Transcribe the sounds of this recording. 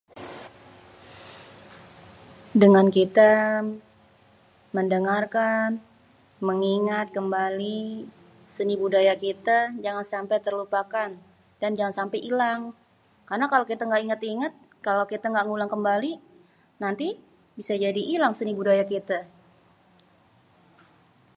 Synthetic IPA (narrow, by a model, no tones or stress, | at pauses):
dəŋankit̪a | məndəŋarkan | məŋiŋat̪̚kəmbali | sənibudajakit̪ad͡ʒaŋansampajt̪ərlupakan | d̥and͡ʒaŋansampajʔilaŋ | karnakalawkit̪aŋɡaiŋat̪iŋat̪̚ | kalowkit̪aŋɡaʔŋulaŋkəmbali | nant̪i | bisad͡ʒadiʔːlaŋsənibudajakit̪a